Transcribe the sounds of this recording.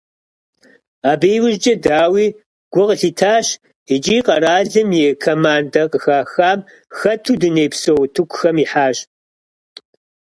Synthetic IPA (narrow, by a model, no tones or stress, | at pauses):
aːbeːwʊʒd͡ʒʼɐdaːwiː | ɡ̥ʷʊqəɬiːtʰaːɕ | it͡ʃʼiːqɐɾaːɮɨmjeːkʰɐmaːndɐqʼəxaːxaːm | xɐtʰuːdɨneːpsowtʰukʷʰʼʊxɐmiːħaːɕ